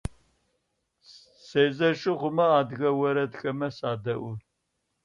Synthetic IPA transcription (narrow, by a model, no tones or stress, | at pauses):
seːzɐʃɪʁʷʊmɐaːd̪ɣɐwɐɾɐdxɐmɐsaːd̪ɐʔʊ